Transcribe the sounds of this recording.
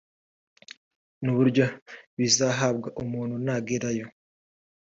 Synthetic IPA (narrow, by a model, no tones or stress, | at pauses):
nuβuɾɟo̞βizaɦabɡaʔumuːn̤̥hunaːɡiɾajo